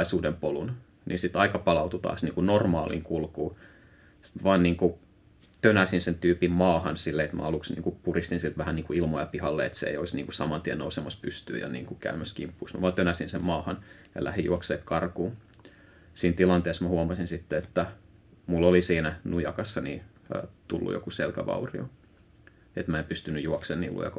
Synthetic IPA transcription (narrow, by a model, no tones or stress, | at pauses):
isuːdempolun | nḭsit̪ɑikɑpɑlɑut̪ut̪ɑ̰ːsniːŋkunormɑːlḭŋkulkuː | sʋɑːnniːŋku | t̪ønæsinsent̪yːpimmɑːhɑnsilːeet̪mæ̰ɑluksnḭːŋkupurist̪insilt̪ʋæhænniːŋkuilmojɑpihɑlːḛḛt̪sḛḛijoisnḭŋkusɑmɑnt̪iɛno̰usemɑspyst̪y̰ːjɑ̰nḭːŋkukæ̰ymæskimpːuːsmæʋɑːnt̪ønæsinsemmɑːhɑnjɑ̰lʔæ̰hijuokseːkkɑrkuː | siːnt̪ilɑnt̪eːsmæhuɑmɑsinsit̪ːeet̪ːæ | mulːolisiːnænujɑkɑsːɑnḭː | t̪ulːṵjo̰kuselkæʋɑ̰urio | et̪mæˑempyst̪ynːyjuɔksenːḭːlːṵjɑ̰kɑ